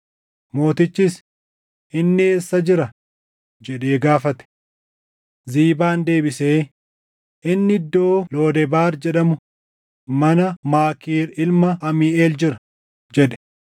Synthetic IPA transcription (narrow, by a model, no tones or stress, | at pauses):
mo̞ːt̪ɪt͡ʃːɪs | ʔɪnːɪeːsːɐd͡ʒɪɾɐ | d͡ʒɛᶑe̞ːɡaːfɐt̪ɛ̥ | ziːbaːnd̪e̞ːbɪse̞ː | ʔɪnːɪɪd̪ːo̞ːlo̞ːd̪ɛbaːɾd͡ʒɛᶑɐmʊ | mɐnɐmaːkiːɾɪlmɐʔɐmiːeːld͡ʒɪɾɐ | d͡ʒɛᶑɛ̥